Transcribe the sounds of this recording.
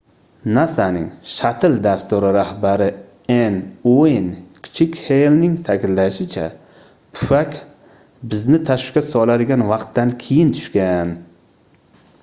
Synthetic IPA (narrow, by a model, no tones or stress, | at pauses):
nasanɪ̰ŋʃat̪ʰɪld̪ast̪ʊɾɪɾahbaɾɪ | enonkʲʰɪ̥t͡ʃʰɪkʲhelnɪŋt̪ʰakʲɪnlːaʃɪt͡ʃʰa | pʰʊ̥fakʲ | bɪznɪt̪ʰaʃkʲasɒlad̪ɪɡʲanvɑqt̪ːankʲʰejɪnt̪ʰʊ̥ʃkʲan